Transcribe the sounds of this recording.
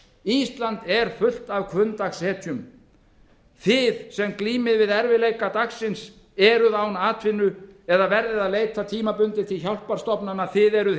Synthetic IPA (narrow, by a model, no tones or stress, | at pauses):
ist̪lant̪ɛɾ̥fʏl̥t̪avkʰvʏnt̪axshɛːt̪ʰjʏm | θɪðsɛmkliːmɪðvɪðɛɾvɪleːjkat̪aksːɪns | ɛɾʏðawnaːt̪ʰvɪnːʏɛðavɛɾðɪðaðleːjt̪at̪ʰiːmapʏnt̪ɪt̪ʰɪlçawl̥paɾst̪ɔpnanaθɪðɛɾʏ